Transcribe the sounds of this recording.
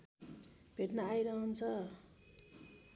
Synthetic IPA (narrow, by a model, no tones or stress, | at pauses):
bʱeʈnaajɾʌɦʌnt͡sʰʌ